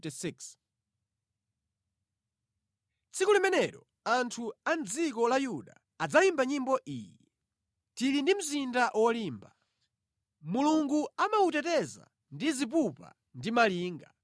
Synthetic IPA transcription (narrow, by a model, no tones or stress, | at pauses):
tisiks | t͡sʰikulimɛnɛɾɔ | antʰuand͡zikɔlajuɗa | ad͡zalimbaɲimbɔʔḭːjɛ | tiɾindim̩zindaʔwɔliːmba | muluŋɡuamautɛtɛza̰ | ndizip̬upa̰ | ndimaliːŋɡa